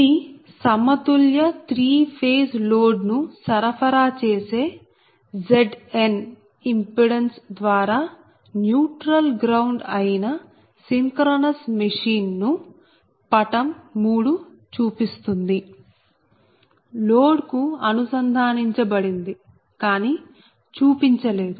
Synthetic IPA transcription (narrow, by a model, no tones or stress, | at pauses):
i | sɐmɐt̪uljɐt̪ɾiːpʰeːsloːɖnusɐɾɐpʰɐɾaːt͡ʃeːse̞ː | d͡ʒeɖen | impuɽensd̪ʋaːɾaː | njuːʈɾɐlɡɾɐwɳɖɐjinɐ | siŋkɾoːnɐsmɐʂiːnːu | pɐʈɐmːuːɽu | t͡ʃuːpist̪und̪i | loːɖkuɐnusɐnd̪ʱaːniɲt͡ʃɐbɐɽind̪i | kaːniː | t͡ʃuːpiɲt͡ʃɐle̞ːd̪u